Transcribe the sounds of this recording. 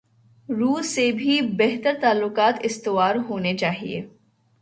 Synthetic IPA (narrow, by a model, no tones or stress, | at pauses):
ɾuːsːebʱibɛɦt̪əɾt̪aːlːʊkaːt̪ɪst̪ɪʋaːɾɦoːnet͡ʃaːɦḭḛː